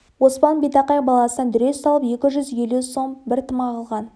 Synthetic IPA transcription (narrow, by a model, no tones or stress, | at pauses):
wo̞spɑnbejt̪ɑqɑjbɑlˠɑsənɑnd̪ʏɾe̞sɑlˠəpe̞kʲɪʒʏzje̞luso̞mbɪɾt̪ʰəmɑʁəlˠʁɑn